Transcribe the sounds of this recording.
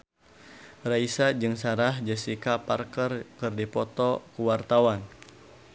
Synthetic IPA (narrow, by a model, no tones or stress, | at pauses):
raisad͡ʒɨŋsaɾahd͡ʒəsikaparkərkɨrdipɔt̪ɔkuwart̪awan